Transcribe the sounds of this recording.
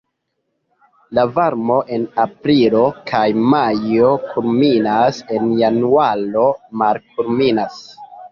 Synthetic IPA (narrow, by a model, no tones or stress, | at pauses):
lavaɾmo̞ʔe̞napɾilo̞kajmajo̞kʰulminase̞njanualo̞malk̚uɾminas